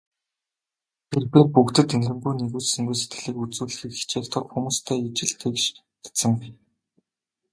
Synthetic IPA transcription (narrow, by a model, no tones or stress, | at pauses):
t̪ʰerpipukt̪ɘ̆t̪enrɘ̆mpujneɣuːsɘ̆ŋɡujse̥t̪ɡɘ̆ɮiːkut͡suːɮɘ̆xiːkːi̥t͡ɕʰeːkt̪ʰɔ̆ɮxumuːst̪ʰæːit͡ɕɪ̆ɮt̪ʰekʃ | t̪ḁtsə̆ŋ